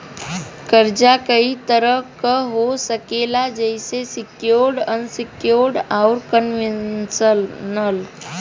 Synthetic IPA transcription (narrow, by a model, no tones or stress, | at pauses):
kəɾd͡ʒakəit̪əɾəkəɦosəkelad͡ʒəɪsesɪkjoɾɖənsɪkjoɾɖaʊɾkənʋisənəl